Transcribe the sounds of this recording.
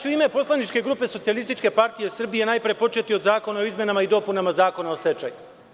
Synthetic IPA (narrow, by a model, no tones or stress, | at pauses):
uime̞po̞slˠanit͡ʃkeɡɾuːpe̞so̞t̪ialist̪it͡ʃke̞paɾt̪ije̞sr̩bije̞naːjpɾijepo̞t͡ʃe̞t̪io̞d̪zaːko̞nao̞izmʲje̞namaid̪o̞punamazaːko̞naosle̞t͡ʃa̰ju